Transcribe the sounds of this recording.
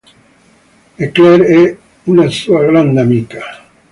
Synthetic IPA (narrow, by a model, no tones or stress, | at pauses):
ekleɾe | unasuaɣɾand̪amika